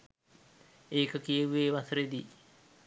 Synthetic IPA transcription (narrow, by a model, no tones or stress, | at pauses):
eːkəkijəʋʋeːʋasɾed̪i